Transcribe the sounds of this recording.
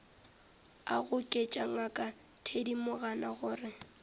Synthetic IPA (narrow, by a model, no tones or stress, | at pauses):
a̰ɣʊkʼet͡ʃʼaŋakʼa | tʰedimʊɣanaɣʊːrɪ